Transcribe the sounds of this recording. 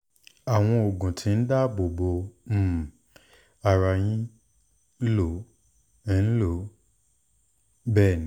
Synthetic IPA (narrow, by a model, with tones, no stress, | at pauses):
a˨w̃ɔ̃˧o˨ɡũ˨tʰĩ˨˧˦n̩˦da˦bo˨bo˧m̩˦˨ | a˨ɾa˧jĩ˦ | lo˨˦ | lo˨˦ | bɛː˦˨nĩ˨˦